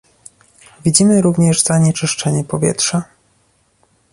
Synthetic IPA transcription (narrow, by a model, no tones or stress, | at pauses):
vʲid͡ʑimɘɾuvɲɛʐzaɲɛt͡ʂɘʂt͡ʂɛɲɛpɔvʲjɛ̰tʂa